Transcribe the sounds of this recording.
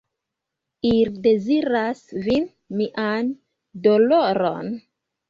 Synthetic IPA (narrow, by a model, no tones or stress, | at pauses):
ilde̞ziɾasvin | miʔan | doloɾo̞̰n